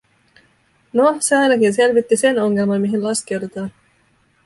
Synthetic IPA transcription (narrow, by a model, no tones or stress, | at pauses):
noseɑjnɑkinse̞lʋit̪ːise̞no̞ŋːe̞lmɑnmiɦinlɑsk̟e̞wd̪et̪ɑːn